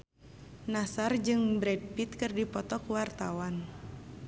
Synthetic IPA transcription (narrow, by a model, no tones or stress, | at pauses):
nasard͡ʒɨŋbɾɛd̚pit̪̚kɨrdipɔt̪ɔkuwart̪awan